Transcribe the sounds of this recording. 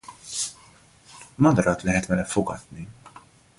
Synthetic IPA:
mɐd̪ɾɐːt̪lɪːħɛt̪mɛlɛfːʊkɐ̰t̪ni

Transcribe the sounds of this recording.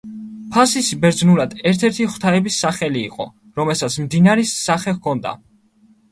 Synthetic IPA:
pʰasisbɛɾd̪znuɾad̪ɛɾt̪ʰɛɾt̪ʰiχw̥t̪ʰaɛbisːaχɛlḭːqʼɔ̰ | ɾɔmɛlˠsat̪sʰmd̪inaɾɛsːaχɛkʰɔnd̪a̰

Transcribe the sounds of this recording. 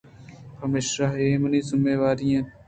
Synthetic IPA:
pɐmeːʃɾaːɦeːmɐniːzɪmːeːʋaːɾijãː

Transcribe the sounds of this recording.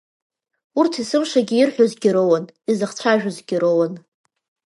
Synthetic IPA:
urtʰisɨmʂaɡʲiɪrħʷᶣozɡʲɪɾowanizɨχt͡ɕʷʰaʒᶣazɡʲɪɾowan

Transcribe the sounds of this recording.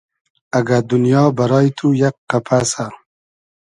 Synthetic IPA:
aɡad̪unjɑːbaɾɑːjit̪ʰujakqapʰasa

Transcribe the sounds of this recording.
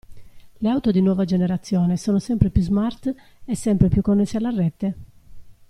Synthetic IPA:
leawt̪od̪inwɔːvad͡ʒeneɾat̪sːjɔːnesɔːnosɛmpɾepjuzmart̪ | ɛsːɛmpɾepjukːonːesːealːarːɛt̪ːe

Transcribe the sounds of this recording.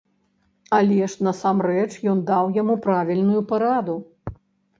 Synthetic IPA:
ɐlʲɛʂnɐsamrɛt͡ʂjɔnd̪awjamupɾavʲilʲnujupaɾad̪u

